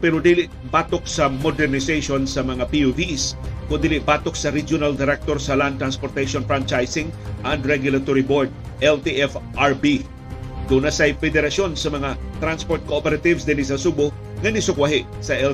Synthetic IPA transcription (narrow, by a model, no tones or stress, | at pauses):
pɛɾod̪iːlɪʔ | baːt̪ok̚sɐmod̪ɛɾnɪsejʃonsɐmɐŋapiuviskʊnd̪iːlɪʔbaːt̪ok̚sɐɾid͡ʒjonald̪ɪɾɛk̚t̪oɾsɐlandt̪ɾanspoɾt̪ejʃonfɹant͡ʃajsɪŋʔɐnd̪ɾɛɡjʊlat̪oɾiboɹd̪̚ | ʔɛlt̪iʔɛfʔaɹbi | ɡ̪unasɐjfɛd̪ɛɾɐsonsɐmɐŋat̪ɾanspoɾt̪̚koʔopɛɾat̪ɪvsd̪ɪnɪsɐsubʊ | ŋɐnɪsʊkwaɦɪʔsɐʔɛ